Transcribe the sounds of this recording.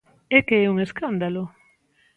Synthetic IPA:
ɛkeɛuŋeskand̪alʊ

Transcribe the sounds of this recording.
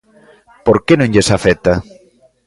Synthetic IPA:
poɾkenõŋʎesafet̪a

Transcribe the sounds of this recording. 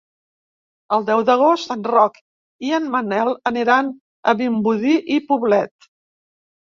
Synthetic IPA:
əlˠd̪ɛwðəɣ̞ost̪ənrɔk | iənmənɛlˠəniɾan | əβimbuðiʔipuβlɛt̪̚

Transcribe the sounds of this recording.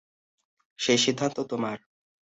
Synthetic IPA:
ʃejʃid̪ʱːant̪ot̪omaɾ

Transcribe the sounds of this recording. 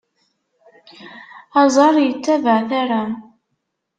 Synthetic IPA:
ɑzˤɑɾˤjət͡sːævəʕθaɾa

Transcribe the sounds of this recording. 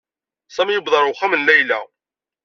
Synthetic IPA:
sˤæmjəbðˤɑɾˤʊwχæmənlæjlæ

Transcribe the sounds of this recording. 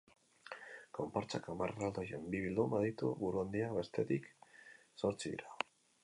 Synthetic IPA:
kompoɾt͡sakamarɾald̪o̞jembiβild̪umaðit̪uβuɾuand̪iakbe̞st̪e̞t̪ik | so̞ɾt͡siðḭɾa

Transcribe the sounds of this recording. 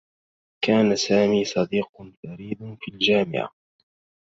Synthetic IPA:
kaːnasaːmiːsˤɑd̪iːqʊnfaɾiːd̪ʊnfiːld͡ʒaːmɪ̰ʕa̰

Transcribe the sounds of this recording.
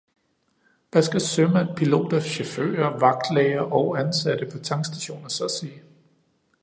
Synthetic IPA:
ʋæsɡ̥æsømænpʰilo̝̰ːd̥ɐɕo̝fø̰ːɐʋɑ̈ɡ̥d̥lɛɪɐʔɒ̽ʊænsæd̥əpʰɒ̽t͡sʰɑ̈ŋsd̥æɕo̝̰ːnɐsɒsi

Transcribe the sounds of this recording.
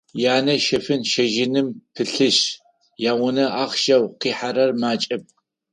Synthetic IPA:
jaːnɐʃɐfɨnʃɐʒɪnɨmpʰɨɬɨɕ | jaːwʊnɐaːχʃɐwqiːħaɾɐrmaːt͡ʃʼɐp̚

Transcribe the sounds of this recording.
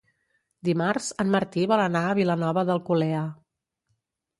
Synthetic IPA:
d̪imarz̥ənməɾt̪iβɔlənaəβ̞ilənɔβəðəlˠkulɛə

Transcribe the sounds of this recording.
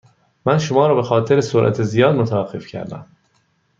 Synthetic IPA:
mænʃomɒːɾɒːbe̞xɒːt̪ʰeɾesoɾʔæ̰t̪ʰezijɒːd̪mot̪ʰævæɡe̞̰fcʰæ̰ɾd̪æ̰m

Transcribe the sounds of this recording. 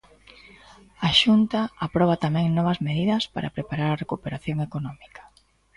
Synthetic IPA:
aʃunt̪ɐapɾɔβ̞at̪amɛ̃ŋnɔβɐzmeðiðɐspa̰ɾa̰pɾepaɾaɾɐrekupeɾaθjoŋekonɔmikḁ

